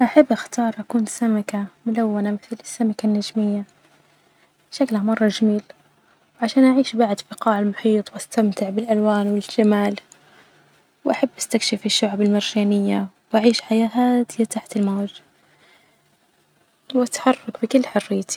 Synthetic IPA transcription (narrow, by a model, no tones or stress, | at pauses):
ʔaħabːʔaxt̪ɑːɾˤʔakuːnsamakamʊlawːanamɪθlɪsːamakanːad͡ʒmɪjːa | bʃaklhamɑrˤːɑʒamiːl | wʕaʃaːnʔaʕiːʃbaʕd̪fɪqɑːʕɪlmʊħiːt̪ˤwʔast̪amt̪ɪʕbɪlʔalwaːnwɪlʒ̥amaːl | wʔaħabːʔast̪akʃɪfɪʃːʊʕbɪlmɪɾʒaːnɪjːa | wʔaʕiːʃħajaːhaːd̪ɪjat̪aħt̪ɪlmoːd͡ʒ | wʔat̪ħɑrˤːɑkbɪkɪlːħʊrːɪjːt̪i̥